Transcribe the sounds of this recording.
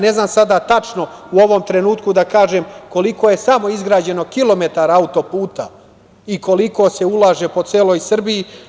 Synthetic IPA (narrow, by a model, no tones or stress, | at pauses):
ne̞znaːmsad̪at̪at͡ʃno̞uoʋo̞mt̪ɾe̞nuːt̪kud̪akaːʒemko̞liko̞je̞samo̞izɡɾaːd͡ʑe̞no̞kilˠo̞me̞t̪aɾaaut̪o̞puːt̪a | iko̞liko̞se̞ulˠaːʒe̞po̞t̪seːlo̞jsr̩biji